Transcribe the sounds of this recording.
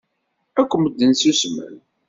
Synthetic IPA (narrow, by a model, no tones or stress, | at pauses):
ækʷːəməd̪ːənsusmæ̰l